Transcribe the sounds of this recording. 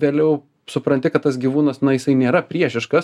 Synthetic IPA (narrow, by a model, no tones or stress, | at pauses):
ʋʲeːlʲɛʊ | sʊpɾɐnʲt̪ʲɪkɐt̪̚t̪ɐsɡʲiːʋuːnɐsnɐjɪsɐɪnʲeːɾɐpʲɾʲiɛʃʲɪʃkɐs